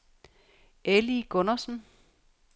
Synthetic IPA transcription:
ʔeliɡ̥ɔnɐsn̩

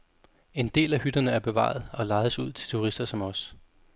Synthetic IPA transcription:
e̝nd̥e̝̰ːlæhyd̥ɐnəæɐb̥e̝ʋɑ̰̈ð̩ˠɒ̽lɑ̈ɪð̩ˠəsuð̰ˠt͡sʰe̝t͡sʰuʁisd̥ɐsɒ̽mɒ̽s

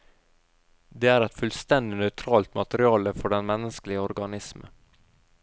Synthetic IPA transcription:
d̪eːæːɾɛt̪fʉlst̪ɛnd̪ɪnœʏt̪ʰɾɑːlt̪mɑt̪əɾɪɑːləfɔɖɛnmɛnəsklɪəɔɾɡɑnɪsmə̰

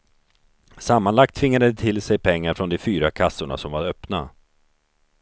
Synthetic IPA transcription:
samːanlak̚t̪ʰvɪŋːad̪ət̪ʰɪlsɛjpʰɛŋːaɾfɾɔnd̪ɛfyːɾakʰasːʊɳa̰sɔmvaɾœpna

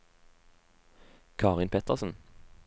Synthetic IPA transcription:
kʰɑːʁɪnpʰɛt̪əʁsn̩

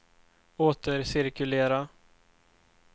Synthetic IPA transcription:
oːt̪əɾsɪɾkɵleːɾa

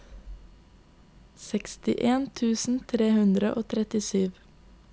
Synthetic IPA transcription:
sɛkst̪ɪʔeːnt̪ʰʉːsn̩t̪ʰɾeːhʉnd̪ɾəʔoːt̪ʰɾɛt̪ɪsyːʋ

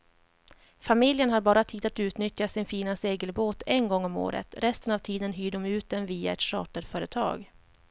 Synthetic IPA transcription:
famɪljənhaɾbɑːɾat̪ʰiːd̪at̪ʉ̟ːt̪nʏt̪jasɪnfiːnaseːɡəlboːt̪ɛnɡɔŋːɔmo̰ːɾə̰t̪ɾɛst̪ənavt̪ʰiːd̪ənɦyːɖɔmʉ̟ːt̪̚d̪ɛnviːa̰ɛ̰t̪ʂɑ̰ːʈəɾfœːɾət̪ʰɑ̰ːɡ

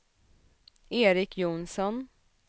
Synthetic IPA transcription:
eːɾɪkʰjʊnsɔn

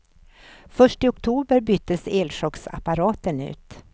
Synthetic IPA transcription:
fœʂʈɪʊkt̪ʰuːbəɾbʏt̪ːəseːlʂɔksa̰paɾɑːt̪ənʉ̰ːt̪

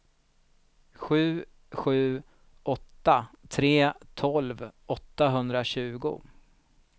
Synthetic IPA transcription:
ɧʉ̟ː | ɧʉ̟ː | ʔɔt̪ːat̪ʰɾeːt̪ʰɔlvɔt̪ːaɦɵnd̪ɾaɕʉ̟ːɡʊ̰

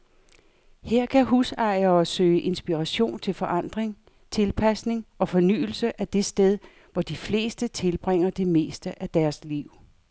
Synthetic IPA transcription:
heɐ̰kʰæɦusɑ̈ɪɐːsø̰ːɪəʔe̝nsb̥iʁaɕo̝̰ːnt͡sʰe̝lfɒ̽ʔɑ̈n̰d̥ʁeŋ | t͡sʰe̝lpʰæsne̝ŋɒ̽fɒ̽ny̰ːl̩səʔæd̥e̝sd̥eð̞ˠ | ʋɒd̥ifle̝̰ːsd̥ət͡sʰe̝lb̥ʁeŋ̰ɐd̥e̝me̝̰ːsd̥əʔæd̥æɐsliʊ̰

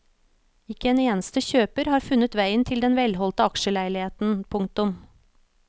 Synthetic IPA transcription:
ɪkəeːneːnəst̪əçøːpəɾhɑːɾfʉnət̪ʋæɪənt̪ʰɪld̪ɛnʋɛlhɔlt̪əɑkʃəlæɪlɪheːt̪n̩pʰʊŋ̚t̪ʊm

